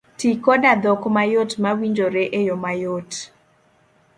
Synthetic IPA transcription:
tikɔdad̪ɔkmajotmawiɲd͡ʒoɾeʔejɔmajot

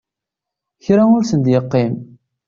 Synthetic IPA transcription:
çɾaʊɾsənd̪jəqːim

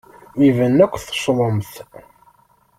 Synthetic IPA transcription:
ivənːækʷːθə̥ʃðˤomθ

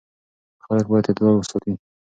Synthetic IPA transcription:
xalək̚bɑjad̪ed̪wɑlwəsɑt̪i

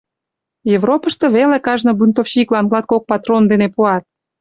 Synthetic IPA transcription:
jevropə̆ʃt̪ɤ̽βelekɑʒnobunt̪ofɕiklɑnɡlɑt̪̚kok̚pɑt̪rond̪enepuɑt̪̚

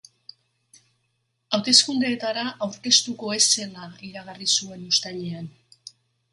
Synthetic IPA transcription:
awt̪e̞skund̪eːt̪aɾaʔawɾke̞st̪uko̞e̞se̞laiɾaɣ̞arisue̞nust̪aʎean

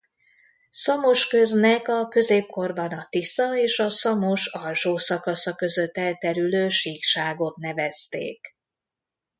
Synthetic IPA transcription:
sɒmoʃkø̞znɛkɒkø̞zeːp̚ko̞rbɒnɒt̪isɒeːʃɒsɒmoʃɒlʃoːsɒkɒsɒkø̞zø̞t̪ːɛlt̪ɛɾyløːʃiːkʃaːɡot̪nɛvɛst̪ḛːk

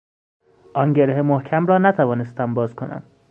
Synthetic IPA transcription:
ʔɒːnɟeɾeɦemohcʰæmrɒːnæt̪ʰævɒːne̞st̪æmbɒːzkʰo̞næ̰m

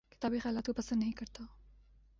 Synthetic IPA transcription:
kɪ̥t̪aːbixɛːlaːt̪kopɐsə̃nd̪nɐɦĩkɐɾt̪a

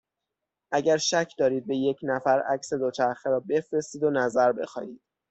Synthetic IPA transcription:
ʔæɟæɾʃæcʰd̪ɒːɾiːd̪̚be̞je̞cʰnæfæɾæcse̞d̪ot͡ʃʰæɾxeɾɒːbe̞fɾe̞st̪iːd̪onæzæɾbe̞xɒ̰ːjiːd̪̥

